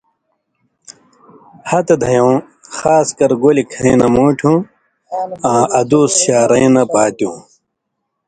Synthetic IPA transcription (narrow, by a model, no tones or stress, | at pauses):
hɐt̪ed̪ʱɐjõː | xaːskɐɾɡolikʰɐ̃ĩnɐmoːʈʰũ | ãːɐd̪uːsɕaːɾɐĩnɐpaːt̪jũː